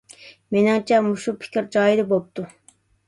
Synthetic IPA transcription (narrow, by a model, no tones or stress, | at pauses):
menɪŋt͡ʃʰɛmuʃupʰɪ̥kʲɾd͡ʒɑːjid̪ɪbop̚t̪ʰu